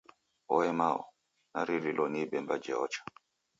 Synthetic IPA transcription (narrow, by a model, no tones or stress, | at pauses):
ɔɛmaɔ̰ | na̰ɾiɾilʔɔnibɛmbad͡ʒɛɔt͡ʃḁ